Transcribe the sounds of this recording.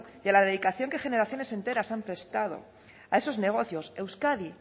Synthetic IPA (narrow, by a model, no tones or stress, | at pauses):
jalaðeðikaθjo̞ŋke̞xe̞ne̞ɾaθjo̞ne̞se̞nt̪e̞ɾasampɾe̞st̪að̞o̞̰ | ae̞so̞zne̞ɣ̞o̞θjo̞se̞wskaði